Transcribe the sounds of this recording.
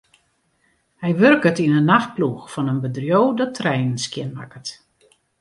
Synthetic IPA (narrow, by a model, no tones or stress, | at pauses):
hɛjʋørkətinənːaxt̚pluxfɔnənbədrjowdɔtʰrɛjnənskjɪnma̰kət